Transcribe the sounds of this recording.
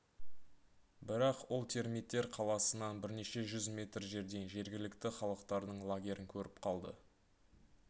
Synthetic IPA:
bɪɾɑqwolˠt̪ʰe̞ɾmit̪ːe̞ɾqʰɑlˠɑsənɑnbɪɾne̞ʃe̞ʒʏzmʲe̞t̪rʒe̞ɾd̪e̞nʒe̞ɾɡʲɪlɪkt̪ɪχɑlˠəqt̪ɑɾd̪əɴlˠaɡʲe̞ɾɪŋkʲʰɵɾɪpqʰɑlˠd̪ə

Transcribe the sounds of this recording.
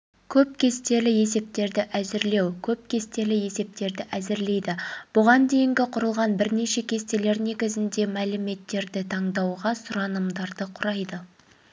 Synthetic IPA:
kʲʰɵp̚kʲʰe̞st̪e̞lɪje̞se̞p̚t̪e̞ɾd̪ɪʔæzɪɾle̞wkʲʰɵp̚kʲʰe̞st̪e̞lɪje̞se̞p̚t̪e̞ɾd̪ɪʔæzɪɾle̞jd̪ɪb̥ʊʁɑnd̪e̞jɪŋɡʲɪqʰʊɾəlˠʁɑnbɪɾne̞ʃe̞kʲʰe̞st̪e̞le̞ɾne̞ɡʲɪzɪnd̪e̞mælɪme̞t̪ːe̞ɾd̪ɪt̪ʰɑɴd̪ɑwʁɑsʊɾɑnəmd̪ɑɾd̪əqʰʊɾɑjd̪ə

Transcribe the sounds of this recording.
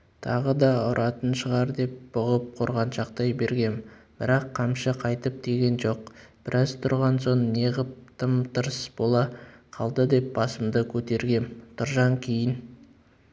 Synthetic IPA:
t̪ʰɑʁəd̪ɑʊɾʔɑt̪ənʃəʁɑɾd̪e̞p̚b̥ʊʁəp̚qʰoɾʁɑnʃɑqt̪ɑjbe̞ɾɡʲe̞nb̥ɪɾɑqʰːɑmʃəqʰɑjt̪əp̚d̪̥e̞ɡʲe̞nʒo̞qb̥ɪɾʔɑzt̪ʰʊɾʁɑnso̞nːeʁəp̚t̪ʰəmt̪əɾsb̥o̞lˠɑqʰɑlˠd̪əd̪e̞p̚bɑsəmd̪əkʲʰɵt̪e̞ɾɡʲe̞nt̪ʰʊɾʒɑŋkʲʰejɪn

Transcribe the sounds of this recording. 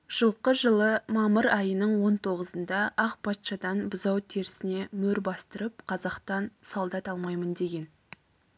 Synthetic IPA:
ʒ̥əlˠqəʒəlˠəmɑməɾɑjənəɴwo̞nt̪ʰo̞ʁəzənd̪ɑʔɑqpʰɑt̪ʃɑd̪ɑnbʊzɑwt̪ʰe̞ɾsɪne̞mɵɾbɑst̪əɾəp̚qʰɑzɑqt̪ɑnsɑlˠd̪ɑt̪ɑlˠmɑjmənd̪e̞ɡʲe̞n

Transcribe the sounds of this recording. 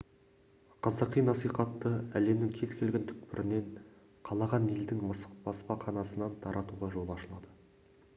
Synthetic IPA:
qʰɑzɑqijnɑsijqɑt̪ːəæle̞mnɪŋkʲʰe̞zkʲʰe̞lɡʲent̪ʰʏ̥k̚pɪɾʔɪne̞ɴ | qʰɑlˠɑʁɑne̞ld̪ɪŋmɑsbɑspɑqʰɑnɑsənɑnt̪ʰɑɾʔɑt̪uʁɑʒo̞lˠɑʃəlˠɑd̪ə

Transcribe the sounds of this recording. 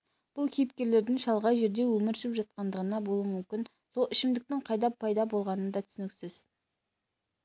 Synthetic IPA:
b̥ʊlˠkʲʰejp̚kʲe̞ɾle̞ɾd̪ɪŋʃɑlˠʁɑjʒe̞ɾd̪e̞wɵmɪɾʃɪpʒɑt̪̚qɑnd̪əʁənɑbo̞lˠumʏmkʲɪn | so̞lˠɪʃɪmd̪ɪk̚t̪ɪɴqʰɑjd̪ɑpʰːɑjd̪ɑbo̞lˠʁɑnənd̪ɑt̪ʰʏ̥sɪnɪksɪz̥

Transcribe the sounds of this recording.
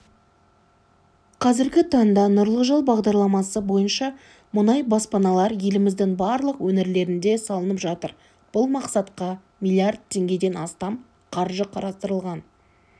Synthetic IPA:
qʰɑzɪɾɡʲɪt̪ʰɑɴd̪ɑnʊɾlˠəʒɑlˠbɑʁd̪ɑɾlˠɑmɑsəbo̞jənʃɑ | mʊnɑjbɑspɑnɑlˠɑɾje̞lɪmɪzd̪ɪŋbɑɾlˠəqwɵneɾle̞ɾɪnd̪e̞sɑlˠənəpʒɑt̪əɾ | b̥ʊlˠmɑqsɑt̪qɑ | mʲilʲˠijard̪̚t̪ʰːe̞ŋɡʲe̞d̪e̞nɑst̪ɑm | qʰɑɾʒəqʰɑɾɑst̪əɾəlˠʁɑn

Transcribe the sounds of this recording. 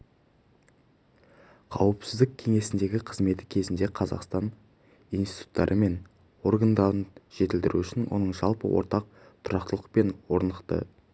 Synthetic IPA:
qʰɑwəpsɪzd̪ɪk̚ʲʰe̞ŋe̞sɪnd̪e̞ɡʲɪqʰəzme̞t̪ɪ̥kʲʰe̞zɪnd̪e̞qʰɑzɑ̰qst̪ɑn | ijnst̪i̥t̪u̥t̪ːɑ̰ɾʔəme̞n | o̞rɡand̪ɑɾənʒ̥e̞t̪ɪlt̪ɪɾṵʏʃɪnwo̞̰nəɴʒɑlˠpə̰wo̰ɾt̪ɑq̚ | t̪ʰʊɾɑqt̪əlˠəq̚pe̞nwo̞ɾnəqt̪ə̰

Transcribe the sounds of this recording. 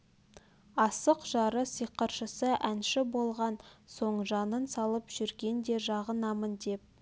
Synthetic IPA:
ɑsəqʒ̥ɑɾəsijqəɾʃəsəʔænʃɪbo̞lˠʁɑnso̞ɴʒɑnənsɑlˠəpʒ̥ʏɾɡʲe̞nd̪e̞ʒɑʁənɑmənd̪e̞p̚

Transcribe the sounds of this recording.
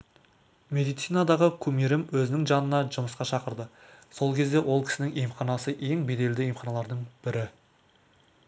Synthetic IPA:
mʲe̞d̪ijt̪sijnad̪ɑʁəkʲʰɵmeɾɪmwɵzɪnɪŋʒɑnənɑʒʊməsqɑʃɑqəɾd̪əso̞lˠkʲʰe̞zd̪e̞wʔo̞lˠkʲʰɪ̥sɪnɪŋejmχɑnɑsəʔe̞ŋbe̞d̪e̞ld̪ɪjejmχɑnɑlˠɑɾd̪əɴb̥ɪɾɪ

